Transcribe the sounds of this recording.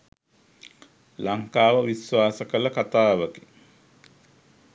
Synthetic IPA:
laŋkaːʋəʋisʋaːsəkəlɐkat̪aːʋəke

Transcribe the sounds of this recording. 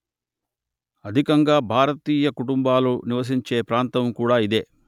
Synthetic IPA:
ɐd̪ʱikɐŋɡaːbʱaːɾɐt̪iːjɐkuʈumbaːluniʋɐs̬iɲt͡ʃeːpɾaːnt̪ɐmkuːɽaːid̪e̞ː

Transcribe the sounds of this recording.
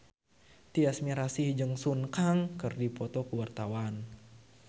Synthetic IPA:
t̪iasmiɾasihd͡ʒəŋsunkaŋkərdipɔt̪ɔkəwart̪awan

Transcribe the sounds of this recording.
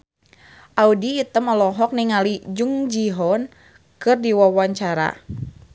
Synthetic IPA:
ʔaudiːt̪əməlɔɦɔk̚niŋalid͡ʒuŋd͡ʒiɦɔn | kɨrdiwawaɲt͡ʃaɾa̰

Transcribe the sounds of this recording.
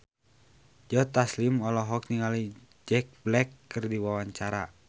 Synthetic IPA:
d͡ʒɔt̪aslimɔlɔɦɔk̚niŋali | d͡ʒɛk̚blɛkːɨrdiwawaɲt͡ʃaɾa

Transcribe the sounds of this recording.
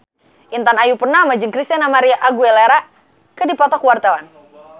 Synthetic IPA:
ʔint̪anajupərnamad͡ʒɨŋkɾist̪ianamaɾiaʔaɡuɛleɾa | kədipɔt̪ɔkwart̪awan

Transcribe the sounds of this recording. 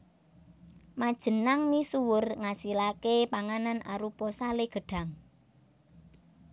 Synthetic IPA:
mad̥ʒ̥ə̤naŋnisuwʊrŋasilakepaŋananaɾupɔsaleɡ̥ə̤ɖ̥a̤ŋ

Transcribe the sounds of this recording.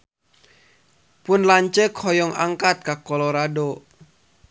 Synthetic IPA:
pʊnlaɲt͡ʃəkʰhɔjɔŋa̰ŋkat̪̚kakɔlɔɾadɔ

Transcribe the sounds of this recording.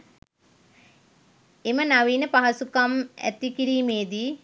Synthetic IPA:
emənaʋiːnəpaɦɐsukamæ̰t̪ikiɾiːmeːd̪i

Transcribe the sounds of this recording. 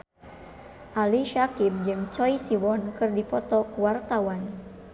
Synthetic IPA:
ʔaliʃakim̚d͡ʒɨŋt͡ʃɔjsiwɔnkɨrdipɔt̪ɔkwart̪awan

